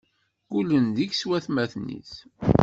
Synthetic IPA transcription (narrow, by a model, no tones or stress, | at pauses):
kulənd̪içswæθmæθnḭθ